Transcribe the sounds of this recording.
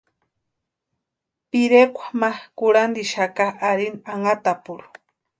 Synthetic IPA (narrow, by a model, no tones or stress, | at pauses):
piɾekʷḁmakuɾand̪iʃakaaɾinaŋat̪apuɾu̥